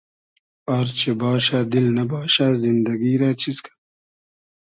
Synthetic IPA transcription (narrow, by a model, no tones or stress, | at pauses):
aɾt͡ʃʰebaːʃaːd̪ilnɐbaːʃaːzind̪ɐɡiːɾaːt͡ɕʰiskʰḁ